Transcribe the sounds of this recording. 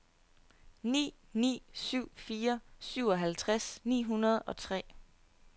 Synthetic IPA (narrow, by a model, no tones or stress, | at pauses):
nḭː | nḭːsyʊ̰fiːɐsyʊɒ̽ɦælt͡sʰʁasnḭːɦunɐð̞̩ˠɒ̽t͡sʰʁɛ̰ː